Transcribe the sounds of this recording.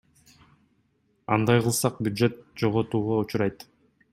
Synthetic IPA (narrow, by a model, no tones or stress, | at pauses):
ɑ̰nd̪ɑjqɯlˠsɑq̚bʲjʊd̪ʒe̞t̪̚d͡ʒoʁot̪uːʁout͡ʃuɾɑjt̪